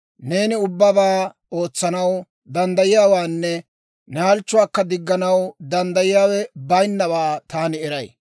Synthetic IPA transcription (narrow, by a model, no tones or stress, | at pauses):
ne̞ːnɪʊbːɐbaː | o̞ːt͡sːɐnɐw | d̪ɐnd̪ɐjɪjaːwaːnːɛ | nɛɐlt͡ʃːʊwaːkːɐd̪ɪɡːɐnɐwd̪ɐnd̪ɐjɪjaːwɛbɐjnːɐbaːt̪aːnɪɛɾɐj